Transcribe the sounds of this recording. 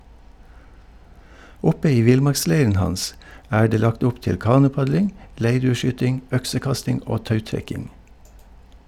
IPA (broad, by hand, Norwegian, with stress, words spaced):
ˈʊpə ˈiː ˈʋɪlˌmɑɾkˌsleɪɾən ˈhɑns ˈæː ˈɖeː ˈlɑkt ˈʊp ˈtɪl ˈkɑːnʊˌpɑɟlɪŋ ˈleɪɖʉːəˌʃyːtɪŋ ˈœksəˌkɑstɪŋ ˈʔoː ˈtɑʉtɾɛkɪŋ